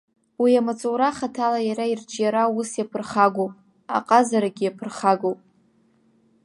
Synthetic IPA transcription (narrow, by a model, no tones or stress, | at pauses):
wiamat͡sʼowɾaχatʰalajaɾaird͡ʒʼjaɾausjapʰɨrχaɡʷowpʼ | a̰qʼazaɾaɡʲijapʰɨrχaɡowpʼ